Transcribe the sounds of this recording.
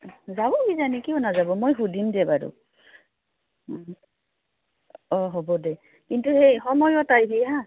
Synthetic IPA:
zabɔɡizanikiɔnazabɔmojɦudimdɛbadṵ | ɔɦobɔdɛ | kintuhejxɔmɔjɔtajbiɦã

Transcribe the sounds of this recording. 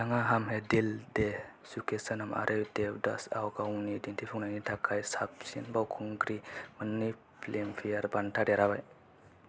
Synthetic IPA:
daŋaɦamɦedilde | sukesənama̰ɾʔɯd̪eda̰sa̰wɡawnidintʰipʰuŋnajnitʰakʰajsapsinbawkʰuŋɡɾimɯnːi | plempʰijaɾbantʰadɛɾabaj

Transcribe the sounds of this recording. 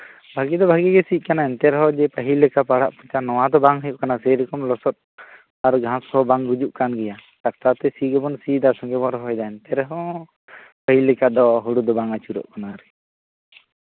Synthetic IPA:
bʱaɡid̪ɔbʱaɡiɡɛsic̚ˀkanaɛnt̪ɛɾɛɦɔd͡ʒɛpəɦilɛkapaɽa̰ʔput͡ʃanɔw̃ad̪ɔbaŋɦəjuʔkanasɛjɾɔkɔmlɔsɔt̪̚ | aɾɡʱãsɔbaŋɾud͡ʒuʔkanɡɛja | ʈak̚t̪at̪ɛsiɡɛbɔnsid̪asɔŋɡɛbɔɾɦɔjd̪aɛnt̪ɛɾɛɦɔ | pəɦilɛkad̪ɔɦuɽud̪ɔbaŋat͡ʃuɾɔ̰ʔkanaɾɛ

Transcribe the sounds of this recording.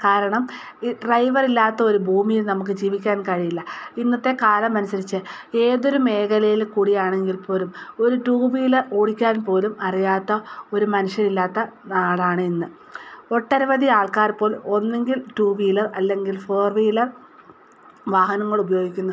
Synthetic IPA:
kaːɾɐɳɐm | ɖrɐjʋɐrilːaːt̪ːɐo̞ɾubʱuːmijilnɐmuk̬ːɨd͡ʑiːʋikʲːaːnkɐɻijilːɐinːɐt̪ːe̞kaːlɐmːɐnɐsɐɾit͡ɕːɨe̞ːðo̞ɾume̞ːkɐlɐjilkuːɽijaːɳe̞ŋɡilpo̞ːlumo̞ɾuʈuːbijilɐo̞ːɽikʲːaːnpo̞ːlumɐrijaːt̪ːɐo̞ɾumɐnuʂjɐnilːaːt̪ːɐnaːɽaːɳɨenːɨ | o̞ʈːɐɾɐʋɐðiaːɭkaːrpo̞ːlo̞nːe̞ŋɡilʈuːʋiːlɐrɐlːe̞ŋɡilfoːrʋiːlɐr | ʋaːhɐnɐŋːɐɭubɐjo̞ːɡikʲːunːu

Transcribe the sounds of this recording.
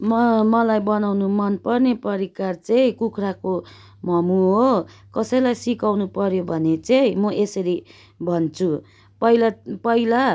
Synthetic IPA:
mʌmʌlajbʌnawnumʌnpʌrnepʌɾikart͡sʌĩkukʰrako | mʌmuɦokʌsʌjlajsikawnupʌɾjobʱʌnet͡sʌĩmʌʔesʌɾi | bʱʌnt͡sʰu | pʌilapʌila

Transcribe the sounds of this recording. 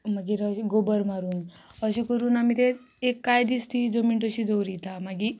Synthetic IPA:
maɡiɾəiɡobəɾmaɾuːn | əɕikəɾuːnamit̪e | ekːajd̪ist̪id͡zomiɳʈəɕid͡zowɾit̪amaɡi

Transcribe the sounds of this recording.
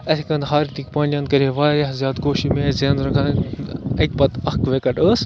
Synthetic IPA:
ɐt̪ʰikɐ̃nd̪ɦaːɾit̪ikpãːnʲɐ̃nd̪̚kɐɾiʋaːɾɐzjaːd̪ɡoːʃimeːzend̪ɾɐkʰɐnɐt̪̚ʲpɐt̪ɐkʋeːkɐʈəːs

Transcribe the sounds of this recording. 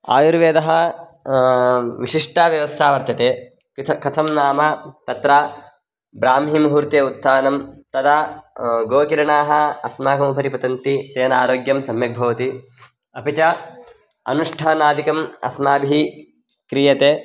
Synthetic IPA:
a̰ːjuɾʋeːd̪ɐɦɐ | ʋiʃiʂʈaːʋjɐʋɐst̪ʰaːʋɐɾt̪jɐt̪eː | kɐt̪ʰɐmnaːmɐt̪ɐt̪ɾaː | bɾaːmɦimɦuːɾt̪eːut̪ːaːnɐmt̪ɐd̪ɐɡoːkiɾɐɳaːɦɐ̆ɐsmaːkɐmupɐɾipɐt̪ɐnt̪it̪eːnaːɾoːɡjɐmsɐmjɐɡ̚bʱɐʋɐt̪i | ɐpit͡ʃɐ | ɐ̰nuʂʈʰɐnaːd̪ikɐmɐ̰smaːbii | kɾijɐt̪eː

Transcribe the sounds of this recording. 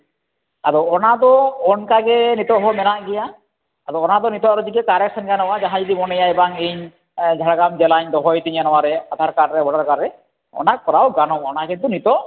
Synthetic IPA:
aɾɔɔnad̪ɔɔnkaɡɛnit̪ɔɦɔmɛnaʔɡɛjaː | ɾɔɔnad̪ɔnit̪ɔʔɾɔd͡ʒ̪ikɛkaɾeksʰanɡanɔwad͡ʒaɦãd͡ʒɔd̪imɔnejaɛbaŋeɲ | d͡ʒʱaɽaɡamd͡ʒɛlaɲd̪ɔɦɔjt̪iɲanɔwaɾɛat̪ʰaɾkaʈɾɛbɔɽaɾkaɾɾɛ | ɔ̰nak̚pɔɾawɡanɔɔnakint̪unit̪ɔʔ

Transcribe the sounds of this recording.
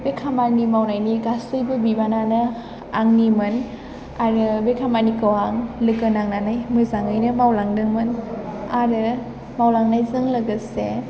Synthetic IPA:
bekʰamanimawnajniɡasɯjbɯbibananɯ | aŋnimɯn | aɾɯbekʰamanikɯwaŋlɯkɯnaŋnanajmɯzaŋɯjnɯmawlaŋdɯŋmɯnaɾɯ | mawlaŋnajzɯŋlɯɡəse

